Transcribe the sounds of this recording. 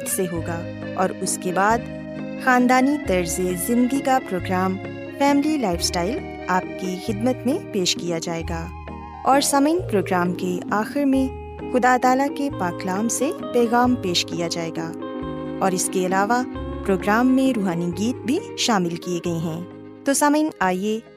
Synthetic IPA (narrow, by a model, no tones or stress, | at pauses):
t̪seɦoːɡaː | ɔːɾʊskebaːd̪ | xãːnd̪aːnit̪ɐɾzezɪ̃nd̪ɡikapɾoːɡɾaːm | fɛːmlilaːɪfsʈaːɪl | aːp̚kixɪd̪mət̪mẽpeːʃkijad͡ʒaːeːɡaː | ɔːɾsɐməɪnpɾoːɡɾaːmkeaːxɪɾmẽ | xʊd̪aːt̪aːlakepaːklaːmsepɛːɣaːmpeːʃkijad͡ʒaːeːɡaːɔːɾɪskeɐlaːʋapɾoːɡɾaːmːẽɾuːɦaːniɡiːt̪̚bʱiʃaːmɪlkieɡɐeɦɛ̃ː | t̪osaməɪnaːie